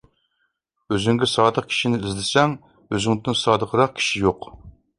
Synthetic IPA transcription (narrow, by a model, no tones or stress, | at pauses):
øzyŋɡʲɛsɑːd̪əq̚kʲʰi̥ʃinɪizlɪsɛŋ | øzyŋd̪ɪnsɑːd̪əqʰəɾɑq̚kʲʰi̥ʃijoq